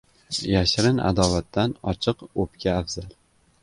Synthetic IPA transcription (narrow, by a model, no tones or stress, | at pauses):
jaʃɾɪna̰d̪ɒvat̪ːanɒ̰t͡ʃʰɨqopkʲaːfz̥alˠ